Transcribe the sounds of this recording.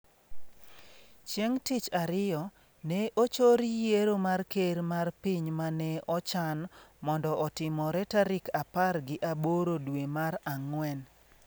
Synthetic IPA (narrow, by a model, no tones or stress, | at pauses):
t͡ʃjeŋtit͡ʃaɾɪjɔ | nɛʔot͡ʃoɾijeɾomarkeɾmarpiɲmanɛʔɔt͡ʃanmɔndɔʔɔtɪmɔɾɛtaɾɪkaparɡɪʔaboɾodwemaɾaŋwɛn